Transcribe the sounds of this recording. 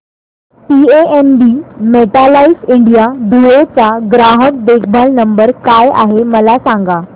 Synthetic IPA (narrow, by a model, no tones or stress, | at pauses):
pieenɖimeʈalaisiɳɖijad̪ujet͡saɡɾaɦək̚bek̚bʱəlnəmbəɾkaja̰ɦeməlasãŋɡa